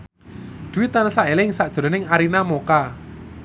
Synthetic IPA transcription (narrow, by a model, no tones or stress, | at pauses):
d̪̥uwɪt̪ːanasaelɪŋsaʔʒ̥ɔ̤ɾɔ̤nɪŋaɾinamoka